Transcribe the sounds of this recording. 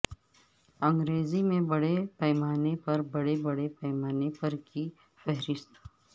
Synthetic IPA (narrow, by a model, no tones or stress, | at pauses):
ɐ̃ŋɡɾeːzimẽbɐɽepɛːmaːnepɐɾbɐɽebɐɽepɛːmaːnepɐɾki | fɛɦɾɪst̪